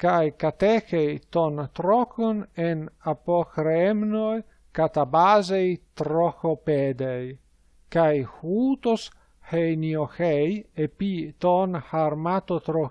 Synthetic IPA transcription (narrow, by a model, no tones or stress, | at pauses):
kajkat̪ɛxejt̪ont̪ɾɔkonenapoxɾeemnoj | kat̪abazejt̪ɾɔxoped̪ej | kajhuːt̪os | hejnioxejepit̪onhaɾmat̪ot̪ɾo